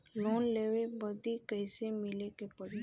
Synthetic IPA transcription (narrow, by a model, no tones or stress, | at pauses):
loːnleːʋebəd̪ikəɪsemɪlekepɐɾi